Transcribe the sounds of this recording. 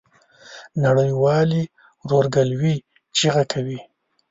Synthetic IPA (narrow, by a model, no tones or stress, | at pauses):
naɽəjwɑli | ɾoɾɡalwi | t͡ʃeɣakʰawi